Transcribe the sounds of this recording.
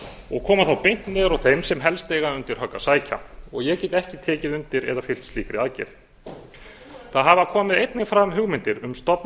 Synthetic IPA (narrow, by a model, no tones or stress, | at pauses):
ɔɣkʰɔːmaθawpejn̥t̪nɛðʏɾawθejmsɛmɦɛlst̪ejɣaʏnt̪ɪɾ̥ɦœkːasaːjcʰa̰ɔɣjɛcɛːt̪ɛhcɪt̪ʰɛːcɪðʏnt̪ɪɾɛ̰ðafɪl̥t̪sliːkɾɪaðcɛ̰ɾ̥ | θaðɦavakʰɔːmɪðejt̪nɪŋfɾamɦʏɣmɪnt̪ɪɾʏmst̪ɔpn